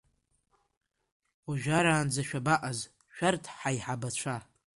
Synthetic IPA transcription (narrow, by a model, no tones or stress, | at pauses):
uʒᶣaɾaːnd͡zaʃᶣabaʔʼaz | ʃᶣartʰħaiħabat͡ɕʷʰa